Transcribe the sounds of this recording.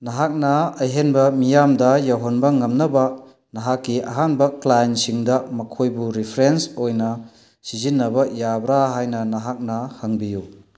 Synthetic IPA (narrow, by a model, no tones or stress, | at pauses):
nɐɦak̚nɐɐjɦenbɐmijamdɐjawɦonbɐŋɐmnɐbɐ | nɐɦakːiɐɦanbɐklajnsiŋdɐmɐkʰojbuɾipʰɾensojnɐ | sizinːɐbɐjabɾaɦajnɐnɐɦak̚nɐhɐŋbiju